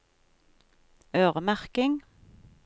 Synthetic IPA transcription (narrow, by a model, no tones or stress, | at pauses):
øːʁəmæʁkɪŋ